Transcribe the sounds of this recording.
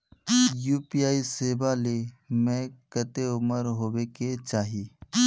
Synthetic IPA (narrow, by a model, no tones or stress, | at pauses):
juːpijaːiseːbalemẽkət̪eʊməɾɦoːweket͡ʃaːɦi